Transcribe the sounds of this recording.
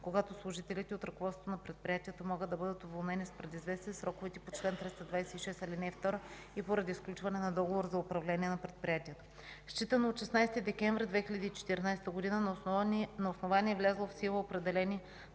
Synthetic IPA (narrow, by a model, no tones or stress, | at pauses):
koɡat̪oslˠʊʒit̪ɛlit̪ɛot̪ɾɐkovɔt̪ot̪nɐpɾɛt̪̚pɾʲijat̪ʲiɛt̪omɔɡɤd̪ɐbɤd̪ət̪ovolˠnɛnispɾɛd̪izvɛst̪isɾɔkovɛt̪ɛpot͡ʃlɛnt̪ɾɛst̪ɐd̪vajsɛiʃɛst̪ɐlinɛft̪ɔɾə | ipoɾɐd̪iːsklʲut͡ʃvɐnɛnɐd̪ɔɡovoɾzɐʊpɾɐvlɛnʲiɛnɐpɾɛt̪̚pɾʲijat̪iɛt̪o̥ | st͡ʃit̪ənoːt̪ʃɛsnajst̪id̪ɛkʲɛɱvɾʲɛd̪vɛxilʲəd̪iːt͡ʃɛ̥t̪iɾnajst̪əɡod̪inə | nɐosnovanʲiɛvlʲazlˠofsilˠəopɾɛd̪ɛlɛni